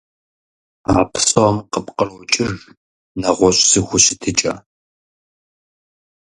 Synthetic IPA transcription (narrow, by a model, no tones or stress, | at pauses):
aːpʰsʼomqəpʼqərwɔt͡ʃʼɪr | nɐʁʷɔɕʼsɨxʷʊɕɪtʰɨt͡ʃʼɐ̰